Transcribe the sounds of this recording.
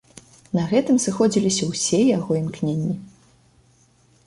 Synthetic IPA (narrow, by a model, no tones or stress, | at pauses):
nɐɣɛt̪ɨmsɨxɔd͡zʲilʲisʲɐwsʲɛjaɣɔimknʲenʲːi